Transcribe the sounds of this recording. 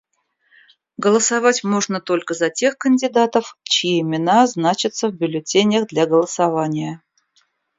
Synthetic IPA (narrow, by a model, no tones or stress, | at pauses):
ɡəlˠəsavatʲmo̞ʐnət̪o̞lʲkəzɐtʲe̞xkənʲdʲɪd̪at̪əft͡ɕɪjeɪmʲɪnaznat͡ɕɪt̪səvbʲʏlʲɪtʲenʲɪjəɣd̪lʲaɡəlˠəsavanʲɪjə